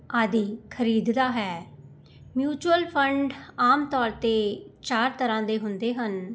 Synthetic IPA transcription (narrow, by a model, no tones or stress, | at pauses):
aːd̪iːkʰəɾiːd̪d̪aːɦɛː | mjuːt͡ʃuəlpʰəɳɖaːmt̪ɔːɾt̪eːt͡ʃaːɾt̪əɾãːd̪eːɦʊnd̪eːɦən